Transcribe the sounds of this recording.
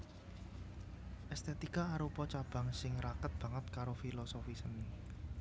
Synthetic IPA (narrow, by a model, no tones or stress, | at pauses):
ʔɛst̪et̪ikaaɾupɔt͡ʃab̥a̤ŋsɪŋɾakət̪̚b̥ä̤ŋət̪̚kaɾofilɔsofisəni